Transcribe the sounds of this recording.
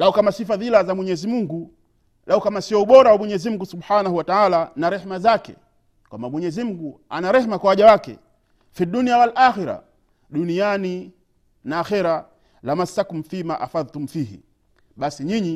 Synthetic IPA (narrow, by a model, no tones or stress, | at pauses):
laukamasifaðilazamwɛɲɛzimuŋɡu | laukamasiɔuɓɔɾawamwɛɲɛzim̩ɡusuɓħanahuwataalanaɾɛhmazakɛ̰ | kwa̰mbamwɛɲɛzim̩ɡu | anaɾɛhmakwawaʄawakɛ̰ | fiduniawalʔaxiɾa̰ | ɗuniani | naːxɛɾa | lamasakum̩fimaʔa̰faðtumfiːhḭ | ɓasiɲiɲi